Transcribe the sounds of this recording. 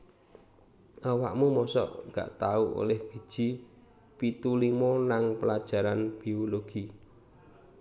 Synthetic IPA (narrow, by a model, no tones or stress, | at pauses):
ʔawaʔmumɔsɔ̰ʔŋɡa̰ʔt̪auʔo̰lɛhb̥i̤̥ʒ̥i̤ | pit̪ulimɔnaŋpəlad̥ʒ̥a̤ɾanb̥ioloɡ̥i